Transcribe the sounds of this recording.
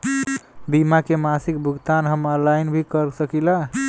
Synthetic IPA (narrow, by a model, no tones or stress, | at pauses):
bimakemasikbʱuɡt̪anɦəməlajnbʱikəɾsəkila